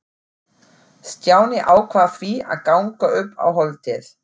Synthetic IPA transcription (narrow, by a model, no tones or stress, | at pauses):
st̪jaːwnɪʔaːwkʰvafvia̰ðkawŋkaʏpːa̰wɦɔlt̪ɪθ